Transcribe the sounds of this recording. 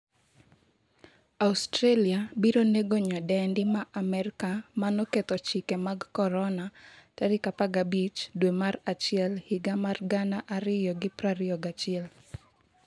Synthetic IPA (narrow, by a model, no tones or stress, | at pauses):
austɾeliabiɾoneɡoɲɔdɛndɪmaʔamɛɾkamanɔket̪ɔt͡ʃikemaɡkɔɾɔnataɾɪkapaɡabit͡ʃdwemarat͡ʃɪɛlhiɡamarɡanaʔaɾɪjɔɡɪpɾaɾɪɔɡat͡ʃɪɛl